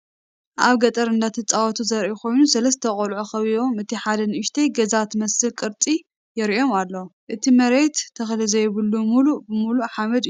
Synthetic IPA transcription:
ʔaβɡɐt̪ʼɐɾɨnd̪at̪ʰɨt͡sʼawɔt̪ʰuzɐɾʔikʰo̞jnusɐlɐst̪ʰɐkʼolʕoxɐβio̞mɨt̪ʰiħad̪ɐnɨʃt̪ʰɐjɡɐzat̪mɐsɨlkʼɨɾt͡s̪ʼi | jɪɾo̞malːɐwʔɨt̪ʰimɐɾe̞t̪ʰːɐxlɨzɐjβɨlːumulubɨmuluħamɐd̪jːu

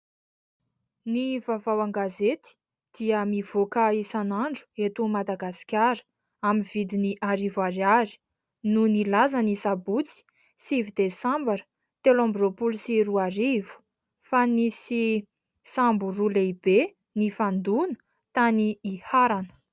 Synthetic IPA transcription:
nivavawaŋɡazet̪i̥ | d̪̥iəmiv̥okəisanaɳɖ͡ʐu̥et̪umad̪aɡasi̥kʲaɾə̥ | aminv̥id̪iniʔaɾivaɾaɾi̥ | nunilazanisabut͡si̥ | sivid̪esambaɾə̥ | t̪elãmbropulisiɾuaɾivu̥ | fanisi | samburuleibe | nifand̪unə̥ | t̪aniːhaɾanə̥

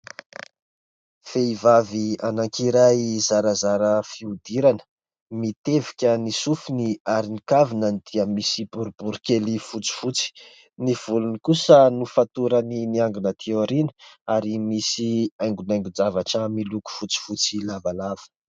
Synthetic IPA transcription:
feivavianaŋkiɾajzaɾazaɾəfiud̪iɾanə̥ | mit̪evi̥kʲənisufuniaɾinikavinənid̪̥iəmisibuɾb̥uɾukelifut͡si̥fut͡si̥ | niv̥ulunikusənufat̪uɾəniniaŋɡunət̪ʰeoɾinəaɾimisiajŋɡunajŋɡud͡zavaʈ͡ʂəmiluku̥fut͡si̥fut͡silavalav̥ə̥

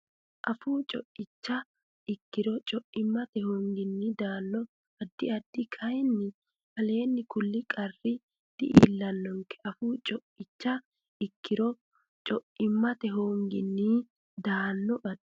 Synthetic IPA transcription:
ʔɐfuːt͡ʃʼɔʔɪt͡ʃːɐ | ʔɪkːɪɾɔt͡ʃʼɔʔɪmːɐt̪ɛhoŋɡɪnːɪd̪aːnːɔ | ɐd̪ːɪɐd̪ːɪkʰɐjnːɪ | hɐle̞ːnːɪkʊlːɪkʼɐrːɪ | d̪̥ɪʔḭːlːɐnːɔŋkɛ̥ʔɐfuːt͡ʃʼɔʔɪt͡ʃːɐ | ɪkːɪɾɔ | t͡ʃʼɔʔɪmːɐt̪ɛɦoːŋɡɪnːi | d̪aːnːɔʔɐd̪

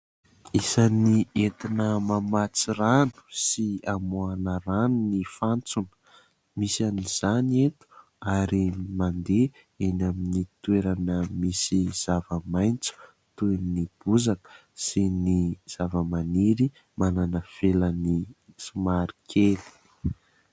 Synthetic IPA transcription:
isaniet̪inəmamat͡siranu̥siamuanəɾanunifant͡sunə̥ | misaniz̥aniet̪u̥ | aɾimand̪e | enaminit̪weɾanəmisiz̥avəmajnt͡su̥ | t̪unib̥uzakə̥ | siniz̥avəmaniɾi | mananəfelənisumaɾikʰeli̥

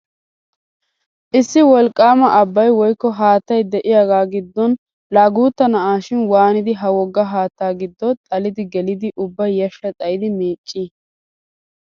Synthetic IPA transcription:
ʔɪsːɪwɔlkʼːaːmɐʔɐbːɐjwɔjkːɔɦaːt̪ːɐjd̪ɛʔɪjaːɡaːɡɪd̪ːɔn | laːɡuːt̪ːɐnɐʔaːʃɪnwaːnɪd̪ɪɦɐwɔɡːɐɦaːt̪ːaːɡɪd̪ːɔt̪ʼɐlɪd̪ɪɡɛlɪd̪ɪʔʊbːɐjjɐʃːɐt̪ʼɐjɪd̪ɪmeːt͡ʃʼːɪ

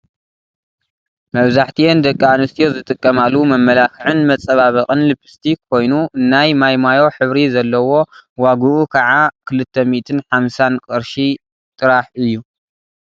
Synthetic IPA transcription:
mɐβzaħt̪ʰiend̪ɐkʼːianɨst̪ʰijo̞zɨt̪ʼɨkʼːɐmalːumɐmːɐlakɨʕɨnmɐt͡sʼːɐβaβɐkʼɨnlɨpʰɨ̥st̪ʰikʰːo̞jnuʔɨnːajmajmajo̞ħɨβɾizɐlːɐwo̞waɡuʔukʰaʕakʰɨlɨt̪ʰːɐmit̪ʰɨnħamsankʼɨɾʃi | t̪ʼɨɾaħɨjːu

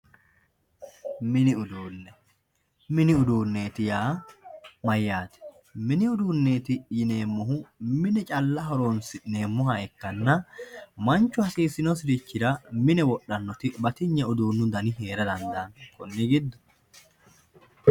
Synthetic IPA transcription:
mɪnɪʊd̪uːnːɛ | mɪnɪʊd̪uːnːe̞ːt̪ɪjaː | mɐjːaːt̪ɛ̥ | mɪnɪʊd̪uːnːe̞ːt̪ɪjɪne̞ːmːɔɦʊmɪnɛt͡ʃʼɐlːɐɦɔɾoːnsɪne̞ːmːɔɦɐɛkːɐnːɐmɐnt͡ʃːʊhɐsiːsɪnɔs̬ɪɾɪt͡ʃːɪd̪ɐmɪnɛwɔɗːɐnːɔt̪ɪbɐt̪ɪɲːɐʊd̪uːnːʊd̪ɐnɪɦe̞ːɾɐd̪ɐnd̪ɐnkʰɔnːɛɡɪd̪ːɔ̥

